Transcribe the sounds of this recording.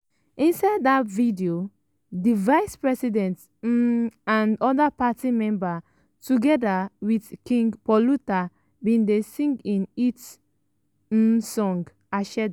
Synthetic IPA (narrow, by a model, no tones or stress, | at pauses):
ĩnsaɪdːatvidio | divaɪspɹɛsidɛ̃nt̩ | ãnɔdapatimɛ̃mba | tuɡɛdawidkĩŋɡpɔluta | bĩndesĩŋɡĩnit | sɔ̃ŋɡ | aʃɛd